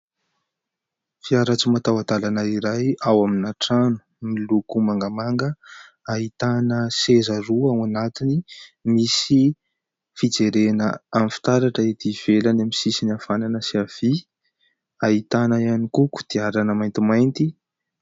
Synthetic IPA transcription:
fiaɾat͡simat̪awad̪alanaiɾajawaminaʈ͡ʂanu̥milukumaŋɡamaŋɡə | aɦit̪anəsezəruawanat̪inimisi | fid͡zeɾenəamfi̥t̪aɾaʈ͡ʂəit̪iv̥elanamisisinafananəsiav̥i | aɦit̪anajanikuku̥d̪̥iaɾanəmajnt̪imajnt̪i

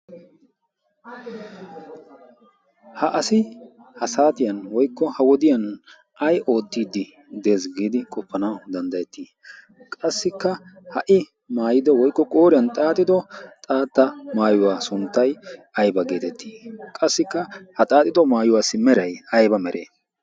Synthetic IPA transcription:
hɐʔɐsɪ | hɐsaːt̪ɪjɐnwɔjkːɔhɐwɔd̪ɪjɐn | ʔɐjʔo̞ːt̪ːiːd̪ːɪ | d̪e̞ːsɡiːd̪ɪkʼɔpːɐnad̪ɐnd̪ɐjɛt̪ːiː | kʼɐsːɪkːɐhɐʔɪ | maːjɪd̪ɔwɔjkːɔkʼo̞ːɾɪjɐnt̪ʼaːt̪ʼːɪd̪ɔt̪ʼaːt̪ːɐmaːjʊwaːsʊnt̪ːɐjɐjbɐɡeːt̪ɛt̪ːi̥ːkʼɐsːɪkːɐhɐt̪ʼaːt̪ʼɪd̪ɔmaːjʊwaːsːɪmɛɾɐjɐjbɐmɛɾʔḛː

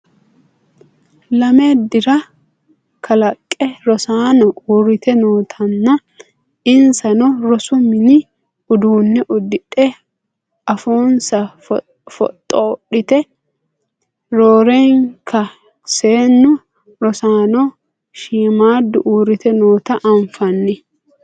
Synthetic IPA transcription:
lɐmed̪ɪɾɐ | kʰɐlɐkʼːɛɾɔsaːnɔʔuːrɪt̪ɛnoːt̪ʰɐnːɐ | ɪnsɐnɔɾɔsʊmɪnɪ | ʊd̪uːnːɛʔʊd̪ɪᶑɛ | ɐfoːnsɐ | fɔ̰t̪ʼːoːɗɪt̪ɛ | ɾoːɾeŋkʰɐ | se̞ːnːʊ | ɾɔsaːnɔ | ʃiːmaːd̪ʊʔuːɾɪt̪ɛnoːt̪ɐʔɐɱfɐnːɪ

